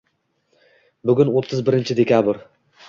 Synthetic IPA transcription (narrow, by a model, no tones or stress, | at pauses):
bʊɡʲʊnot̪ʰːɪzbɪɾɪnt͡ʃʰɪd̪e̞kʲʰabɾ